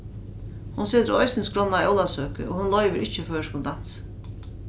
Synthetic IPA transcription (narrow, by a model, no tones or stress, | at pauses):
hʊnseːt̪ɾɔʏjsɪnskɾɔnːaɔwlˠasøːkə̰ʔoːhʊnlɔʏʋəɾʔɪt͡ʃːəføːʂkʊnd̪an̥s